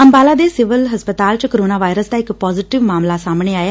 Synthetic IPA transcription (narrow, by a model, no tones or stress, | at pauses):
əmbaːlaːd̪eːsɪʋəlɦəspət̪aːlt͡ʃkəɾoːnaːʋaːjɾəsd̪aːɪkpɔːzɪːʈɪʋmaːmlaːsaːmɽ̃eːaːjaː